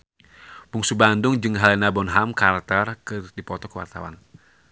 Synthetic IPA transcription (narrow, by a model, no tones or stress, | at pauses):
buŋsubandʊŋd͡ʒɨŋɦalɛnabɔnɦamkart̪arkɨrdipɔt̪ɔkəwa̰rt̪a̰wa̰n